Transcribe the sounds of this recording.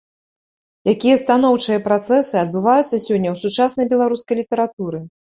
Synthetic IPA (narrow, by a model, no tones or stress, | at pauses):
jakʲijɐst̪an̪ɔwt͡ʂɨjɐpɾat̪sɛsɨɐd̪̚bɨvajut̪sːɐsʲɔnʲːɐwsut͡ʂasnɐjbʲɛlˠaɾuskɐjlʲit̪ɛɾat̪uɾɨ